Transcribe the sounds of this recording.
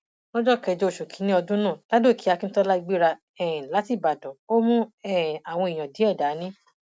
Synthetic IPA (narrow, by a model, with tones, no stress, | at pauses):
nɔ̃˦d͡ʒɔ˦kɛ˧˨d͡ʒo˦o˨ʃo˨kʰĩ˨˦nĩ˦ɔ˧dũ˦nãː˦˨la˦do˦˨kʰi˨˦a˧kĩ˦n̩˦tɔ˦la˦i˧ɡ͡bi˦ɾa˧ | ɛ˨la˨˦ti˦˨ba˨dɔ̃˨o˦mũ˦ɛ˦˨a˨w̃ɔ̃˧i˨j̃ã˨dĩ˨˦ɛ˦˨da˨˦nĩ˦